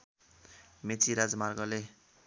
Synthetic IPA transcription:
met͡siɾad͡zmarɡʌle

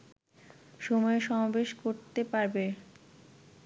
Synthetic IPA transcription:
ʃɔmɔeʃɔmabeʃkoɾt̪epaɾbe

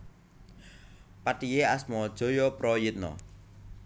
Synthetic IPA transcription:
patijeasmɔd̥ʒ̥ɔ̤jɔpɾɔjɪt̪̚nɔ̰

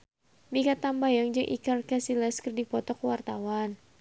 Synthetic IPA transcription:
mikat̪ambajaŋd͡ʒɨŋʔḭkarkasilɛskərdipɔt̪ɔkwart̪awan

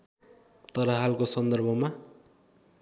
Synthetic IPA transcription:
t̪ʌɾʌɦalkosʌnd̪ʌrbʱʌma

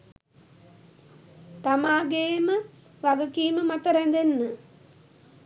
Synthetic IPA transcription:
t̪amaːɡeːmə | ʋaɡəkiːməmat̪əɾænd̪enːə

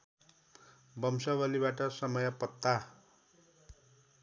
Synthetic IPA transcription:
bʌmsʌbʌlibaʈʌsʌmʌjʌpʌt̪ːa

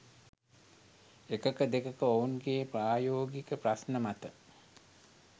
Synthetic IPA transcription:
ekəkəd̪ekəkəounɡeːpraːjoːɡikəprasnəmat̪ə

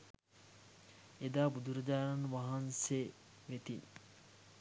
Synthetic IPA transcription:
ed̪aːbud̪uɾɐd͡ʒaːɾanʋaɦanse | ʋet̪in

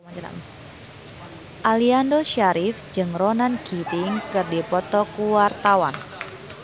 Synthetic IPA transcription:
a̰ | ʔaliandoʃaɾifd͡ʒɨŋronanɡ̥it̪iŋkɨrdipɔt̪ɔkuwart̪awan

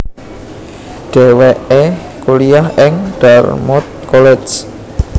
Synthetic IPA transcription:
ɖ̥e̤weʔe | kulijahɛŋɖ̥armɔt̪̚kɔlɛd͡ʒ

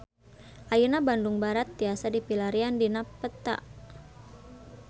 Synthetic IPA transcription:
ʔajunabanduŋbaɾat̪̚diasadipilaɾiandinapət̪a̰ʔ

